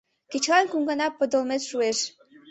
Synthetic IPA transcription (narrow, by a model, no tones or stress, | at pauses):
ket͡ɕlɑnkuŋɡənɑpːə̆d̪ə̆lmet̪ʃueʃ